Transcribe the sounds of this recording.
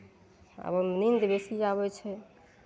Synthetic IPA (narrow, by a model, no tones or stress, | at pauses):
a̰bəmnind̪ebesid͡ʒaβɛt͡ʃʰɛ